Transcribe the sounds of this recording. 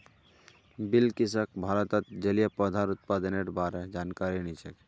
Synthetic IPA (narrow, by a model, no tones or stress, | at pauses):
bilkisəkbʱaɾət̪ət̪̚d͡ʒəlijəpəd̪ʱaɾut̪̚pad̪əneʈbaɾed͡ʒankaɾinit͡ʃʰək